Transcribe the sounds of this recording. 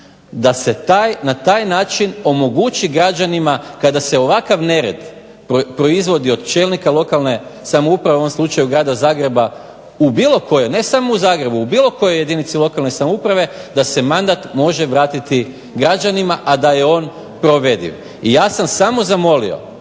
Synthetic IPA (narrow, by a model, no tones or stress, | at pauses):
d̪ase̞t̪ajnat̪aːjnaːt͡ʃino̞mo̞ɡut͡ʃiɡɾad͡ʒanimakad̪ase̞o̞ʋakaʋne̞ɾe̞̰d̪ | opɾo̞izʋo̞d̪io̞d̪t͡ʃeːlˠnikalˠo̞kalˠne̞samoupɾaʋeoomslˠut͡ʃajuɡɾaːd̪azaːɡɾe̞ba | ubiːlo̞ko̞jo̞ne̞samo̞uzaːɡɾe̞buubiːlo̞ko̞jo̞je̞d̪init̪silˠo̞kalne̞samoupɾaʋe̞d̪ase̞mand̪at̪mo̞ʒe̞ʋɾaːt̪it̪i | ɡɾad͡ʒanimaʔad̪aje̞o̞ːn | pɾo̞ʋe̞d̪ḭʋ | ijaːsamsamo̞zamo̞lḭo̞̰